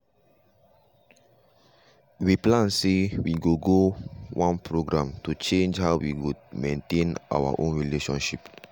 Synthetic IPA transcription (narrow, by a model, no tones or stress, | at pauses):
wiplãnsewiɡoɡowʔãnpʰɹoɡɹãmtut͡ʃẽnd͡ʒhawwikud̚mẽntẽnʔa̰wə̰ʔõnɹileʃɔ̃nʃip